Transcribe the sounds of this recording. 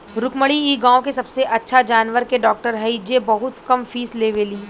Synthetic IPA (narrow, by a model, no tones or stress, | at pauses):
ɾʊkməɽiiːɡãːõkesɐbseʔɐtːʃʰad͡ʒaːnʋəɾkeɖɔːk̚ʈəɾɦɐid͡ʒebɐɦʊt̪kɐmfiːsleːʋeːliː